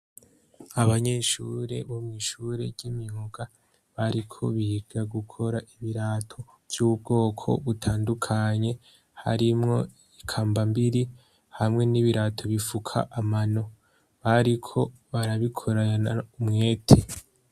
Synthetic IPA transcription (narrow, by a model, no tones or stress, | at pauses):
aβaɲe̞ʃuɾe̞̰βomŋiʃuɾe̞ɾɟimioɡ̥a | βaɾikʰo̞βiɡ̥aɡukʰo̞ɾaʔiβiɾaːtʰo̞ | v̥j̥uːβbɡo̞ːkʰo̞̰βutʰaːndukʰaɲe̞ | ha̰ɾimŋo̞ | ikʰaːmbambiɾi | hamŋe̞niβiɾatʰo̞βifukʰa̰ʔamano̞ | βaɾikʰo̞ | βaɾaβikʰo̞ɾaaaumŋe̞ːtʰe